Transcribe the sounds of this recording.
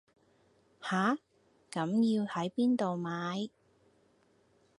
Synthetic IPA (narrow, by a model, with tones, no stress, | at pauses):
haː˨˥ | kɐ˨˥mjiː˧whɐ˨˥jpiː˥nt̪o˨wmaː˨˥j